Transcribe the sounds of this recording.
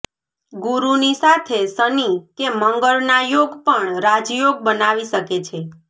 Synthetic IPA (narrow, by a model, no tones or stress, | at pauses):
ɡuɾunisat̪ʰesənikeməŋɡəɭnajoɡpəɳɾad͡ʒjoɡ̚bənaʋiʃəket͡ʃʰe